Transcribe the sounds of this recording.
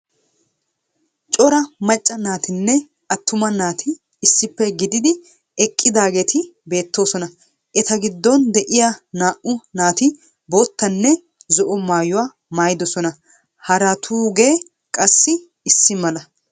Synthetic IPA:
t͡ʃʼɔɾɐmɐt͡ʃʼːɐnaːt̪ɪnːɛ | ɐt̪ːʊmɐnaːt̪ʰɪː | sːɪpːɛɡɪd̪ɪd̪ɪ | ɛkʼːɪd̪aːɡe̞ːt̪ɪbe̞ːt̪ːo̞ːsɔnɐ | ʔɛt̪ɐɡɪd̪ːɔnd̪ɛʔɪjanaːʔʊnaːt̪ɪ | boːt̪ːɐnːɛ | zɔʔɔmaːjʊwaː | maːjɪd̪ɔsɔnɐ | hɐɾɐt̪ʰuːɡe̞ː | kʼɐsːɪ | ɪsːɪmɐlɐ

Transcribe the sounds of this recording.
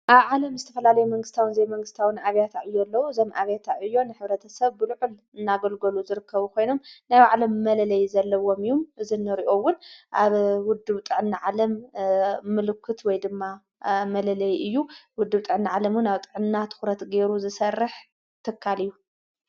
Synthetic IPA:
ʔaβʕalɐmzɨt̪ʰɐfɐlalɐjumɐŋɡɨst̪ʰawɨnzeβmɐŋɡɨst̪ʰawɨnaβjat̪ʰaʕɨjːolːɐwuɨzo̞mʔaβjat̪ʰaɨjːo̞nɨħɨβɾɐt̪ʰɐsɐβːɨlɨʕul | ɨnːaɡolɡɐluzɨɾɨkʰːɐβukʰo̞jno̞mnajwaʕlɐmːɐlɐlɐjzɐlːɐwo̞mɨjːumʔɨzinɨɾiʔo̞wʊnʔaβwʊd̪ːɨβt̪ʼɨʕɨnːɨʕalɐmː | ɨlɨkʰːɨt̪wɔjd̪ɨmːa | mɐlɐlɐjɨjːuwʊd̪ːɨβt̪ʼɨʕɨnɨʕalɐmwʊnaβt̪ʼɨʕɨnnat̪ʰɨ̥xɾɐt̪ɡeɾuzɨsɐrːɨħ | t̪ʰɨkʰːalɨjːu

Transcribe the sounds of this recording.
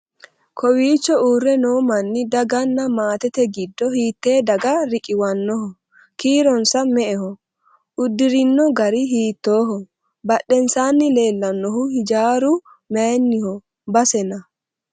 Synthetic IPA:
kʰɔwiːt͡ʃːɔuːrːɛnoːmɐnːɪd̪ɐɡɐnːɐmaːt̪ɛt̪ɛɡɪd̪ːɔhiːt̪ːeːd̪ɐɡɐɾɪkʼɪwɐnːɔhɔ | kiːɾɔnsɐmɛʔɛhɔ | ʔʊd̪ːɪɾɪnːɔɡɐɾɪɦiːt̪ːoːɦɔ | bɐɗːɛnsaːnːɪle̞ːlːɐnːɔhʊhɪd͡ʒaːɾʊ | meːnːɪhɔ | bɐsɛnɐ

